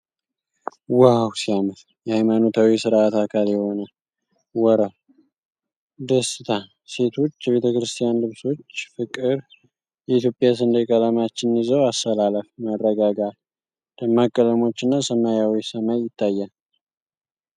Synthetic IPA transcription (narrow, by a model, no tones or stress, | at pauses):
wawsijamət̪ | jɛhajmanot̪ʰawisɨɾat̪akʰaljɛho̞nə | wɔɾə | d̪əsɨt̪ʰa | se̞t̪ʰo̞t͡ʃːjɛβe̞t̪ʰəkɾɨst̪ʰʼijanlɨβso̞t͡ʃːfɨkʼɨɾ | jɛit̪ʰjo̞pʼːjas̬ɨnd̪əkʼələmat͡ʃːɪnjizəwast̪əlaləfmərːəɡaɡal | d̪̥əmːakʼːələmo̞t͡ʃːɨnːasəmajawisəmajːɪt̪ːajːa